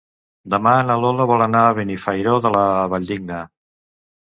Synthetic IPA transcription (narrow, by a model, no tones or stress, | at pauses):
d̪əmaənəloləβɔlənaːβinifajɾoðələβəʎʲd̪iɡnə